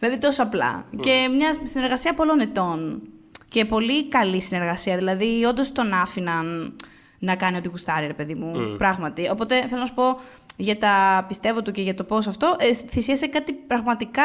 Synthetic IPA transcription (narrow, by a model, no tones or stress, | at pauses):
ilɐðit̪o̞soɐplɐ̰ce̞mɲɐsine̞ɾɣɐsiɐpo̞lo̞net̪o̞nce̞po̞likɐlisine̞ɾɣɐsiɐðilɐðio̞nd̪o̞st̪o̞nɐfinɐn | nɐkɐnio̞t̪iɣust̪ɐɾiɾe̞pe̞ðimupɾɐɣmɐt̪io̞po̞t̪e̞θe̞loɐsu̥po̞ | ʝɐt̪ɐpist̪e̞vo̞t̪uce̞ʝɐt̪o̞po̞s̬ɐft̪oʔeθisiɐsekɐt̪ipɾɐɣmɐt̪ikɐ